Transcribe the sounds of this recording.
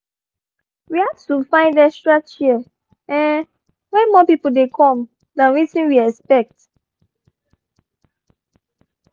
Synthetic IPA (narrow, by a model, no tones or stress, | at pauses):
wihaftufãɪ̃ndɛstɹat͡ʃiɛ | ɛ̃n | wɛ̃nmɔpipodekʰɔ̃m | dãnwisĩnwiɛkspɛk̚t